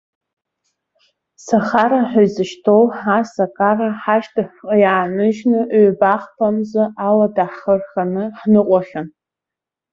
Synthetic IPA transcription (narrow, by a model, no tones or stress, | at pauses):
saχaɾaħᶣazɨʃtʰowħasakʼaraħaʃtaħqʼjaːnɨʒnɨʔɥbaχpʰamzaʔaladaħχərχanɨħnɨqʷʼaχʲan